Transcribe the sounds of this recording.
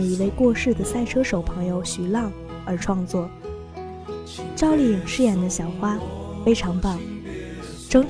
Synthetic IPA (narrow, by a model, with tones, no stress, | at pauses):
i˧˥we˥˧ɪkwɔ˥˧ʂɻ̩˥˩d̪ə˩sa˥˩ɪʈ͡ʂʰɤ˥ʂo˨˩ʊpʰɤ˧˥ŋjo˧ʊɕy˨˩lɑ˥˩ŋ | ə˞˧˥ʈ͡ʂʰwɑ˥˧ŋt͡swɔ˥˩ | t͡ɕjɑ˥ʊli˥˩˨ʂɻ̩˥˩jɛ˨˩nd̪ə˦ɕjɑ˨˩ʊxwa˥fe˥ɪʈ͡ʂʰɑ˧˥ŋpɑ˥˩ŋ | ʈ͡ʂɤ˥ŋ